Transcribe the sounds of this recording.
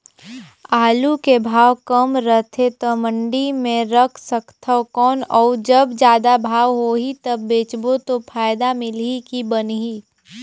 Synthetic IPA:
aːlukebʱaːʋkəmɾəɦt̪ʰet̪omə̃ɳɖimẽɾəkʰsəkt̪ʰəkɔːnɔːd͡ʒəbd͡ʒjaːd̪abʱaːʋɦoːɦit̪ɐbːeːt͡ʃbot̪opʰaːjd̪amɪlikibənɦiː

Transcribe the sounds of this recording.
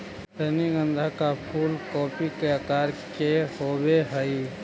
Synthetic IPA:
səniɡə̃nd̪ʱakapʰuːlkɔːpikeəkaːɾkehoːbeɦəi

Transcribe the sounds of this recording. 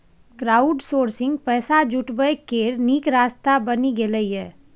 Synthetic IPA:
kɾaːuɖsoːɾsɪ̃ŋɡpɛːsad͡ʒuʈbəjkeɾnikɾast̪abəniɡeləijɛ

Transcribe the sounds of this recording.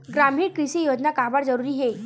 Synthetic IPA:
ɡɾam̤iːɾkɾiɕiːjod͡ʑnakabaɽd͡zəɾuɾiːɦe

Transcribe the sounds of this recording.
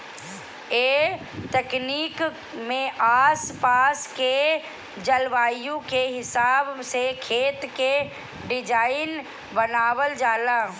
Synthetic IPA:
e | t̪ɛkniːk | mẽʔaːspaːske | d͡ʒəlʋaːijõkeɦɪsaːbsekʰeːt̪ke | ɖɪd͡ʒaːɪn | bənaːwəld͡ʒaːlaː

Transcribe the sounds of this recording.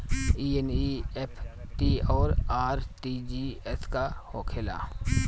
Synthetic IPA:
iːeniepʰ | ʈiɔːɾaːɾʈiːd͡ʒiːɛskahoːkʰela̰

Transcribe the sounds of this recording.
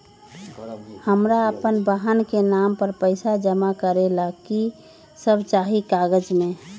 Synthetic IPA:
həmɾaəpənbaɦənkenampəɾpəɪsad͡ʒəmakəɾelaki | səbʱt͡ʃaːɦikaɡəd͡ʒmẽ

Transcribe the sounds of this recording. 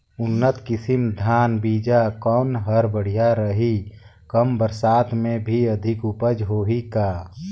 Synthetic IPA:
ʊnːət̪kɪsimd̪ʱaːnbiːd͡ʒakɔːnɦəɾbəɽ̤ijaɾəɦi | kəmbəɾsaːt̪mẽbʱiəd̪ʱɪkʊpəd͡ʒɦoːɦikaː

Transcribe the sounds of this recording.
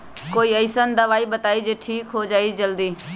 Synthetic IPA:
koːiːəɪsənd̪əʋaːibət̪aːid͡ʒeːʈʰiːkɦod͡ʒaːid͡ʒəld̪iː

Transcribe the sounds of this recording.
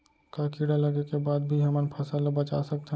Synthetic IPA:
kakiɽalɐɡekebaːd̪̚bʱiɦɐmənpʰɐsalabɐt͡ʃa̰sɐk̚t̪eɦ

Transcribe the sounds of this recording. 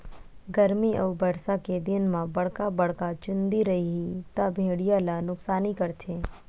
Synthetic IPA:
ɡɐɾmiʔɐwbɐɽsaked̪ɪnmãbɐɽ̤kabɐɽkat͡ʃʊ̃nd̪iɾɐɦiɦit̪abʱeːɽijalanʊksaːnikɐɾt̪ʰeː

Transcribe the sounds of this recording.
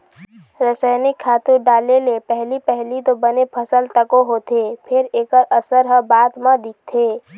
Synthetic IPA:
ɾəsaɪnɪkkʰːaːt̪uɖaːlelepɛɦlipɛɦlit̪obənepʰəsəlt̪əkoɦot̪epʰɪɾeːkəɾʔəsəɾɦəbaːt̪mãd̪ɪk̚t̪ʰeː

